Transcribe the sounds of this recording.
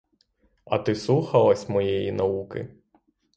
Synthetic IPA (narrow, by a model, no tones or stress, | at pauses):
ɐ̰t̪ɪsluxɐlˠɐsʲmɔjɛjinɐukɪ̰